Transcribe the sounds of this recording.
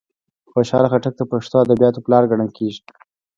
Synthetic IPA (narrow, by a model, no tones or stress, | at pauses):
faʃɑlxaʈak̚d̪əpaʂt̪oad̪abijɑt̪oplɑɾɡaɽəlkʰeʒi̥